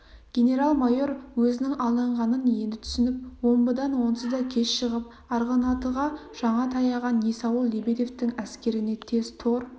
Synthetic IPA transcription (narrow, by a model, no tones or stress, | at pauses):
ɡ̥ʲe̞ne̞ɾɑlˠmajo̞ɾwɵzɪnɪŋɑlˠɑɴʁɑnənje̞nd̪ɪt̪ʰʏ̥sɪnɪp̚wo̞mbəd̪ɑnwo̞nəsəd̪ɑkʲʰe̞sʃəʁəp̚ | ɑɾʁɑnɑt̪əʁɑʒ̥ɑɴɑt̪ʰɑjɑʁɑnjesɑwəlˠːebed̪e̞ft̪ɪŋæskʲe̞ɾɪne̞t̪ʰe̞z̥t̪ʰo̞ɾ